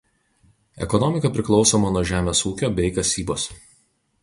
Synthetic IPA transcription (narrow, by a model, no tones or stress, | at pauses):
ɛ̰kɔnɔmʲɪkɐpʲɾʲɪklˠɒʊsoːmɐnuɔʒʲæːmʲeːsuːkʲoːbʲɛɪkɐsʲiːboːs